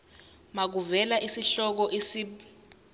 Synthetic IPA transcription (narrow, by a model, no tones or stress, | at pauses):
mak̬uvɛlaʔisiɬɔk̬ɔʔesi